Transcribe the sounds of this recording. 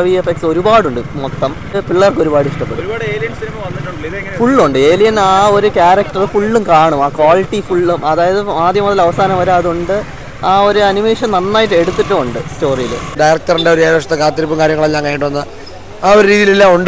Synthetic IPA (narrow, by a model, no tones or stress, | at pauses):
ɐʋijɐfekso̞ɾubaːɽuɳɖɨmot̪ːɐm | piɭːɐrkːɨo̞ɾubaːɽɨiʂʈɐpːeɽuːɽːljɐinmɐɐɐufuɭːuɳɖɨe̞ːlijɐnaːo̞ɾukʲaːɾɐk̚ʈɐrɨfuɭːumkaːɳumaːkʋaːliʈːifuɭːumɐðaːjɐðɨmaːd̪jɐmuðɐlɐʋɐsaːnɐmʋɐɾaːðuɳɖɨ | aːo̞ɾuɐnimeːʂɐnnɐnːaːjiʈːe̞ɽut̪ːiʈːɐuɳɖɨsto̞ːrijilɨ̰ɖajrɐk̚ʈɐriɳɖeoɾeːɾoːʂɐt̪ːekaːt̪ːiɾipːumkaːɾjɐŋːɐɭeɲaːnŋkaːjiʈ̬ːuʋɐnːɐð | aːoɾɾiːðijililːauɳɖɨ